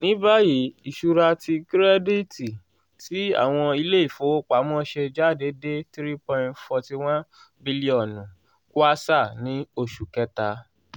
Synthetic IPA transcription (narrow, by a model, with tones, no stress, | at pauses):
nĩ˨˦ba˦ji˨i˨ʃu˨˧ɾa˧ti˧kɾɛ˦di˦ti˨ | ti˨˦a̰˦˨w̃ɔ̃˧i˧le˦i˦˨fo˨˦wo˦k͡pa˨˦m˦ɔ̃˦ʃe˧d͡ʒa˦˨de˨˦de˦tɾi˦pɔ̃˧j̃tfɔ˧ti˧w̃ã˦n | bi˦li˦ɔ˦˨nũ˨ | ku˦a˦sa˦˨nĩ˨˦o˧˨ʃu˨kɛ˦ta˨˧